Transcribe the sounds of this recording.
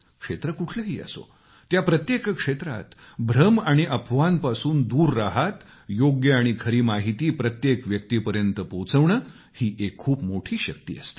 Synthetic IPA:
kʂet̪ɾəkuʈʰləɦiːə̰so̰ | t̪japɾət̪jekkʂet̪ɾa̰t̪ | bʱɾəmaɽ̃iʔəpʰʋanpasuːnd̪uːɾːaɦat̪ | joɡjəaɽ̃ikʰəɾiːmaɦit̪iːpɾət̪jekʋjək̚t̪iːpəɾjənt̪əpowt͡səʋɳəː | hiːʔekʰːuːpmoʈʰiːɕək̚t̪ḭːə̰st̪i̥

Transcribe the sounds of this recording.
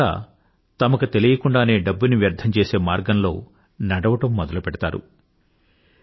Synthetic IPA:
a̰ː | t̪ɐmɐkut̪e̞lijɐkuɳɖaːne̞ːɖɐbːuniʋjɐɾt̪ʰɐmt͡ʃe̞ːse̞ːmaːɾɡɐnlo̞ː | nɐɽɐʋɐʈɐmːɔd̪ɐlupɛɽɐt̪aːɾṵ

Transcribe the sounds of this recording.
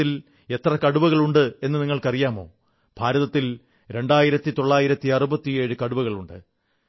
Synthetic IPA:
il | e̞t̪rɐkɐɽuʋɐɣɐɭuɳɖɨe̞nːɨniŋːɐɭkɐrijaːmo̞̰ː | b̥ʱaːɾɐðɐt̪ːil | ɾe̞ɳɖaːjiɾɐt̪ːit̪o̞ɭːaːjiɾɐt̪ːiɐrubɐt̪ːije̞ːɻɨkɐɽuʋɐɣɐɭuɳɖɨ

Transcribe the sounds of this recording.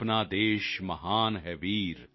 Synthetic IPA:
pnaːd̪eːʃmɐɦaːnɦɛʋiːɾ

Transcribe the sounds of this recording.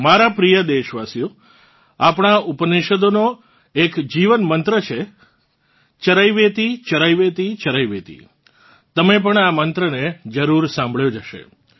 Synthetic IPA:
maɾapɾijəd̪eʃʋasijo | apɳ̃aʔupəneʃəd̪ono | ekd͡ʒiʋənmənt̪ɾət͡ʃʰe | t͡ʃəɾaiʋet̪it͡ʃəɾajʋet̪it͡ʃəɾaiʋet̪ḭ | t̪əmep̬əɳamənt̪ɾəned͡ʒəɾuɾsãmbʱɭjod͡ʒəʃḛ

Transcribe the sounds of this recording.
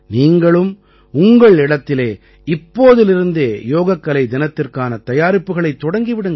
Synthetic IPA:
niːŋɡɐɭɯm | ʊŋɡɐɭɪɽɐt̪ːɪleː | ɪpːoːðɪlɪɾɯnd̪eːjoːɣɐkːɐlɐɪd̪ɪnɐt̪ːɪrkaːnɐt̪ɐjaːɾɪpːɯɣɐɭɐɪt̪ːɔɽɐŋɡiʋɪɽɯŋɡ

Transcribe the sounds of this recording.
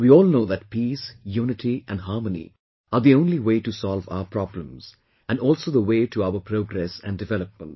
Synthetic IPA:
wiɔːlˠnoːðæʈ̚pʰiːsjuːnɪʈiʔæ̃nɖɦɑɹmənḭ | əɾd̪iõʊ̃nliweːʈusɔlˠva̰ʊəpʰɾɔblə̃mz̥ | æ̃nɔːlsoðəweːʈʰuaʊəpʰɾoːɡɾɛsæ̰̃nɖɨvɛləp̚mə̃nt̚

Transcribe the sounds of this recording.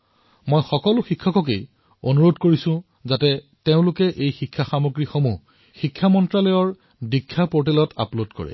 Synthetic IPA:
mojxɔkɔlʊxikʰːɔkɔk̬ej | onuɹodkoɹisʊ̃ | zatɛ | teʊ̃lʊkɛʔejxikʰːaxamoɡɹixomu | xikʰːamɔntɹalɔjɔɹ | dikʰːapoɹt̬ɛlɔta̰plodkɔ̰ɹɛ̰

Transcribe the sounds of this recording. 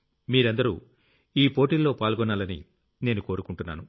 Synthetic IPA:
miːɾɐnd̪ɐɾṵ | iːpo̞ːʈiːlːo̞ːpaːlɡɔnːaːlɐnḭ | ne̞ːnuko̞ːɾukuɳʈunːa̰ːnu

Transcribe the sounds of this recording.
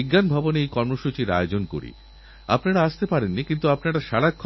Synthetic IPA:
iɡːanbʱɔbonejkɔɾmoʃut͡ɕiɾa̰eod͡ʑonkoɾḭ | a̰pnaɽaaʃt̪epaɾenːikint̪uapnaɽaʃaɽakʰː

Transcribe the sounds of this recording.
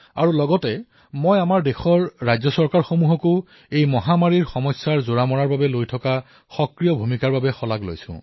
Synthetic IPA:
a̰ɹulɔɡɔtɛ | mojamaɹdɛxɔɹːajzɔsɔɹkaɹxomuɦɔko | ejmɔɦamaɹiɹxɔmɔsːaɹzoɹamɔɹaɹbabɛlojtʰɔka | xɔkɹijɔbʱumikaɹbabɛxɔlaɡlo̰jsʊ̰̃

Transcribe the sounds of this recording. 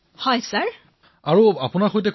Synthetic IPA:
hɔjsaɹ | aɹuapʊnaxojtɛ

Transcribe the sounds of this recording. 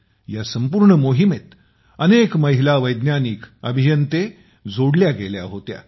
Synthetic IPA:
jasəmpuːɾɳəmoɦimet̪ | ənekməɦilaʋəjd̪njanikəbʱijənt̪e | d͡zoɽljaɡelja̰ɦot̪ja̰

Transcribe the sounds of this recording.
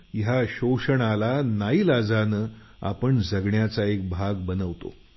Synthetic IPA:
ɦaɕowʂəɳalanaiːlad͡zanə | a̰pəɳd͡zəɡɳjat͡saek̚bʱaɡbənəʋt̪o̰

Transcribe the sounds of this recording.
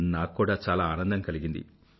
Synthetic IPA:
naːkːuːɽaːt͡ʃaːlaːaːnɐnd̪ɐmkɐliɡind̪ḭ

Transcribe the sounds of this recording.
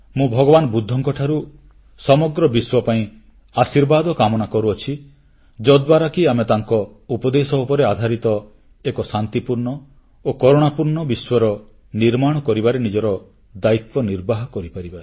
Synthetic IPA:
mũbʱɔɡɔbanɔbud̪ʱːɔŋkɔʈʰaɾu | sɔmɔɡɾɔbiswɔpaĩ | asiɾbad̪ɔkamɔnakɔɾuɔt͡ʃʰi | d͡ʒɔd̪waɾakiamet̪aŋkɔupɔd̪esɔupɔɾead̪ʱaɾit̪ɔ | ekɔsant̪ipuɾɳɔ | okɔɾoɽ̃apuɾɳɔbiswɔɾɔ | niɾmaɽ̃ɔkɔɾibaɾenid͡ʒɔɾɔ | d̪ait̪wɔniɾbaɦɔkɔɾipaɾiba

